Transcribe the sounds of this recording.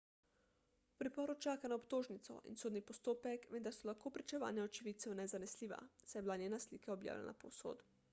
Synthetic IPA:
upɾipɔɾut͡ʃaːkanaɔpt̪oːʒnit̪sɔ̰ʔḭnsoːd̪nipɔst̪oːpɛkʋend̪aɾsɔlaxkoːpɾit͡ʃɛʋa̰ːnjaɔt͡ʃiʋit̪sɛwnɛzanɛsliːʋa̰sajɛbilanjeːnasliːkaɔbja̰wlʲɛ̰nʔa̰po̰wso̰ːt̪u

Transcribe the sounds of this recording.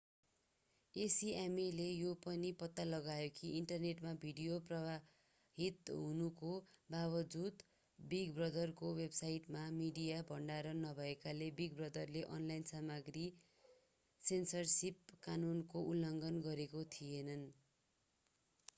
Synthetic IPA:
esiamelejopʌnipʌt̪ːalʌɡajokʰiiɳʈʌrneʈmabʱiɽijoprʌba | ɦit̪ɦunukobawʌd͡zud̪ | biɡbrʌd̪ʌrkowebsajʈmamiɽijabʱʌɳɖaɾʌnʌbʱʌekalebiɡbrʌd̪ʌrleʔʌnlajnsamʌɡri | sensʌrsip̚kanunkoulːʌŋɡʌnɡʌɾekot̪ʰijenʌn

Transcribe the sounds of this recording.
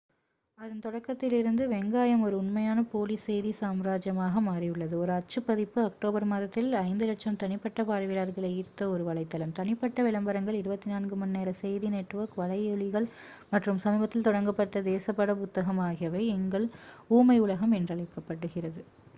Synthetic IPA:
ɐðɯnt̪ɔɽɐkːɐt̪ːɪlɪɾɯnd̪ɯʋɛŋɡaːjɐmɔɾɯʊnmɐjaːnɐpoːlisɛjðisaːmɾaːd͡ʒjɐmaːɣɐmaːrijʊɭːɐðɯɔɾɯɐt͡ʃːɯpːɐðɪpːɯɐk̚ʈoːbɐɾmɐðɐt̪ːɪlɐɪnd̪ɯlɐt͡ʃːɐmt̪ɐnɪpːɐʈːɐpaːɾɐʋɪlaːɾɣɐɭɐɪiːɾt̪ːɐɔɾɯʋɐɭɐɪt̪ːɐlɐmt̪ɐnɪpːɐʈːɐʋɪɭɐmbɐɾɐŋɡɐɭɪɾɯbɐt̪ːɪnaːnɡɯmɐnːeːɾɐsɛjðineːʈːɯʋɐːkʋɐɭɐɪɛɭɪɣɐɭ | mɐʈrɯmsɐmiːbɐt̪ːɪlt̪ɔɽɐŋɡɐpːɐʈːɐd̪eːsɐpːɐɽɐmʊt̪ːɐɣɐmaːɣɪjɐʋɐɪɛŋɡɐɭuːmɐɪʊɭɐɣɐmɛndrɐɭɐɪkːɐpːɐʈːɯɣɪrɐðɯ

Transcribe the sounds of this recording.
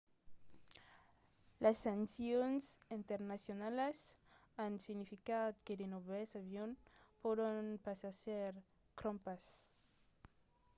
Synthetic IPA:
lʔasansjonsint̪eɾnasjonales | ansiɣnifikat̪kedenoβesaβjonpoɾonpasaseɾ | kɾompas

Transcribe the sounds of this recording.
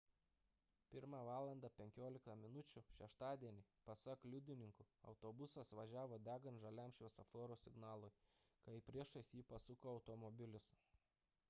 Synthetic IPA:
pʲɪɾmɑːʋɑːlˠɐnd̪ɑpʲɛŋʲkʲoːlʲɪkt̪ɐmʲɪnʊt͡ʃʲʊʃʲɛʃt̪ɑːd̪ʲiɛnʲipɐsɐklʲʊd̪ʲɪnʲɪŋkʊɐ̰ʊt̪oːbʊsɐsʋɐʒʲæːʋoːd̪ʲæːɡɐnt̪ʒɐlʲæmʲʃʲoːsɐfoːɾoːsʲɪɡnɑːlˠʊj | kɐɪpʲɾʲiɛʃɐsʲjiːpɐsʊkoːɐʊt̪ɔmɔbʲɪlʲʊs

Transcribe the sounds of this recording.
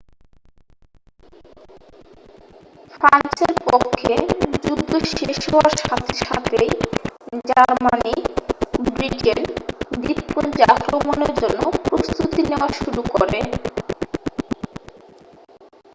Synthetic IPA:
fɾanseɾpokʰːed͡ʑud̪ʱoʃeʃoaɾʃat̪ʰe̥ʃat̪ʰej | d͡ʑaɾmani | bɾiʈend̪ipːund͡ʑakɾomoneɾd͡ʑonːopɾost̪ut̪ineaʃuɾukoɾe

